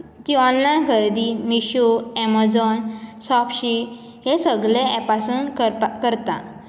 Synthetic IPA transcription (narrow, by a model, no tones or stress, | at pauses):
t̪iɔnlajnɡʰʱəɾd̪imiɕuɛmad͡zɔnsɔpɕi | ɦesəɡleɛpasuːnkəkəɾt̪a̰